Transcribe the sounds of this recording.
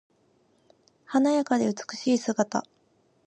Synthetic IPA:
hanajakad̪e̞ɯ̟t͡sɨ̥kɯ̟̥ɕiːsɨɡat̪a̰

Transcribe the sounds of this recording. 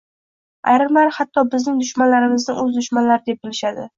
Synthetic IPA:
a̰jɾɪmaɾhat̪ʰːɒbɪznɪŋd̪ʊʃmanlaɾɪmɪznɪɵzd̪ʊʃmanlaɾɪd̪e̞p̚bɪlɪʃad̪ɪ̰

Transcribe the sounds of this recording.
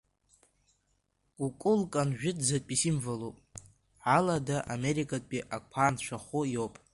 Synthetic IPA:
ɡʷʼukʼʊlkʼanʒᶣɪdʼzatʼpʼisimvalupʼ | ʕaladaʔameɾikʰʼatʼpʼiʔakʷʰant͡ʃʷʰaχʊjowpʼ

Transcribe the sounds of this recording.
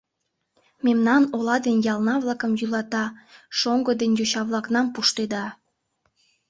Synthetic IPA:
memnɑnolɑd̪enjɑlˠnɑβlˠɑkəmjylɑt̪ɑʃoŋɡod̪enjoɕɑβlˠɑknɑmpuʃt̪ed̪ɑ

